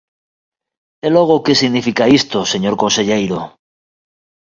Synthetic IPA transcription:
elo̞ɣ̞okesiɣnifikaist̪ose̞ɲoɾkonseʎejɾo

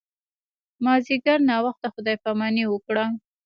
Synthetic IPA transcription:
mɑziɡaɾnɑwaxt̪axʊd̪ɑjpamaniwəkɽa

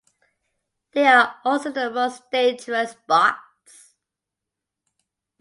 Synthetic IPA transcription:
ðeɪəɔˑlˠsoʊðəmoʊsd̥ẽɪd͡ʒəɹəsb̥ɑk | s

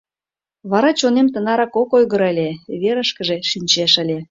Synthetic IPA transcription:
βɑɾɑt͡ɕonemt̪ənɑɾɑkokojɣəɾəlʲeβeɾəʃkəʒeʃinʲt͡ɕeʃə̆lʲe

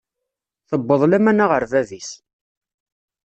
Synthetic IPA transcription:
θəbːəðˤlæmænaʁəɾðæðis

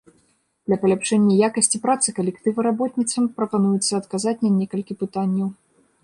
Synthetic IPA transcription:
d̪̥lʲɐpɐlʲapʂɛnʲːɐjakɐsʲt͡sʲipɾat̪sɨkɐlʲɛkt̪ɨvɐɾabɔt̪ʲnʲit̪sɐmpɾɐpanujut̪sːɐːt̪kazat͡sʲnɐnʲɛkɐlʲkʲipɨt̪anʲːɐw

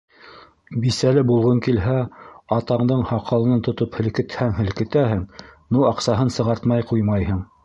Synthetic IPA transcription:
bisælɘbulˠʁɤŋkilɦæɑt̪ɑɴd̪ɤɴhɑqʰɑlˠɤnɑnt̪ŏt̪ophɘ̆lkɘ̆t̪hæŋɦɘ̆lkɘ̆t̪æhɘŋnuɑqsɑɦɤnsɤ̆ʁɑɾt̪mɑjqujmɑjhɤɴ

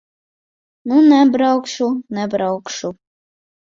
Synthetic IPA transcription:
nunɛbɾɑwkʃunɛbɾɑwkʃu

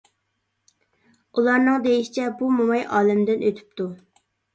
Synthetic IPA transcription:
ulˠɑɾnɨŋd̪ejiʃi̥t͡ʃʰɛbumomɑjʔɑːlɪmd̪ɪnøt̪ʰy̥pt̪u

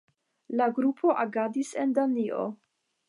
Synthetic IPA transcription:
laɡɾupʰo̞ʔaɡadisendanio̞̰

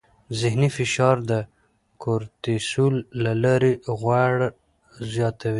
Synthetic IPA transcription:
zɪhnifɪʃɑɾd̪ə | kʰoɾt̪isulːalɑɾeɣwaɽ | zjɑt̪awi

